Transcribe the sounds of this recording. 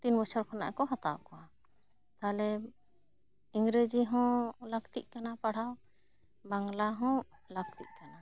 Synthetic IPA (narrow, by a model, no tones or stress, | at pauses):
t̪inbɔt͡ʃʰɔɾkʰɔna̰ʔkɔɦat̪awkɔwa | t̪alɛ | iŋɡɾed͡ʒiɦɔ̃ləɡt̪iʔ̚kanapaɽ̤aw | baŋlaɦɔ̃ləɡ̚t̪iʔ̚ˀkana